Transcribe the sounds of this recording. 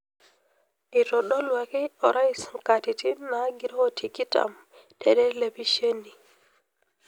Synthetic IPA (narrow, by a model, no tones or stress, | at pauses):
ʔitɔɗɔlwakiɔɾʔajiskatitinaɡiɾɔɔtʰikita̰m | dɛɗɛlebiʃenːi